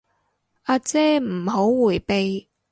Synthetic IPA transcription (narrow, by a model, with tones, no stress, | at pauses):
aː˧t͡sɛː˥m̩˨˩ɦo˨˥wːuː˨˩jpe˨j